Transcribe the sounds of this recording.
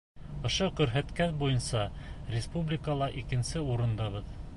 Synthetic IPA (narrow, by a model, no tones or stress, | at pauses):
ŏʃoqɵ̆ɾɦæt̪kæθbujɤnsɑ | rʲɪspublʲɪkəlˠɑʔikɘ̆nsɘuɾɤ̆nd̪ɑβɤð